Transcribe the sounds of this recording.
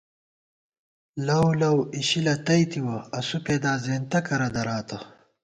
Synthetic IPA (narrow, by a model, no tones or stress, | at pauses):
lɐwlɐwiɕilɐt̪ɐjt̪iwɐɐsupeːd̪aːzeːnt̪ɐkɐɾɐd̪ɐɾaːt̪ɐ